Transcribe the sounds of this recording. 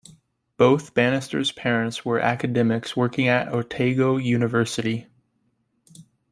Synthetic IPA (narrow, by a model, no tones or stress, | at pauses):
b̥oʊθb̥æñɨstə̰˞z̥pʰɛɹɨ̃ntswə˞ʔæ̰kɨdɛmɪkswɜ˞kɪ̃ŋɨɾɔɹtʰeɪɡoʊjʉnɨvɜ˞sɨɾi